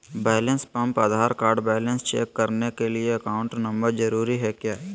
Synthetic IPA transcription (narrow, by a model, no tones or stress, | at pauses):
bɛːlə̃nspɐ̃mpad̪ʱaːɾkaːɾɖbɛːlə̃nst͡ʃḛːkːɐɾnekelieɐkaːʊ̃ɳʈnɐ̃mbəɾd͡ʒɐɾuːɾiɦɛkjaː